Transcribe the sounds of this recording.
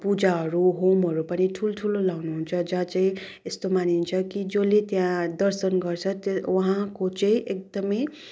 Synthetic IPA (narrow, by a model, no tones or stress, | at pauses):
pud͡zaɦʌɾuɦomɦʌɾupʌniʈʰuloʈʰulolawnuɦunt͡sʰʌd͡zʌt͡sãĩ | est̪omanint͡sʰʌkid͡zʌlet̪jãd̪ʌrsʌnɡʌrt͡sʰʌt̪wʌɦãkot͡saĩʔek̚d̪ʌmʌj